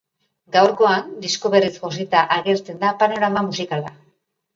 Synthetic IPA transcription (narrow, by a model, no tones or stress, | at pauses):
ɡawɾko̞and̪isko̞βe̞risxos̬it̪aʔaɣe̞ɾt͡se̞nd̪apano̞ɾamamusikala